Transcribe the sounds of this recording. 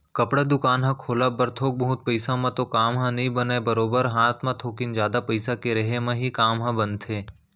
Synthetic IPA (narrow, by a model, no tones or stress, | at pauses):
kɐpɽad̪ʊkaːnɦɐ̃kʰoːlabɐɾt̪ʰoːk̚bɐɦʊt̪̚pəɪsãmẽt̪okaːmɦãnɐɦĩbənaebəɾoːbəɾɦaːt̪ʰmãt̪ʰoːkɪnd͡ʒjaːd̪apɐɪsakeɾɐɦemẽɦikaːmɦɐ̃bɐnt̪ʰeː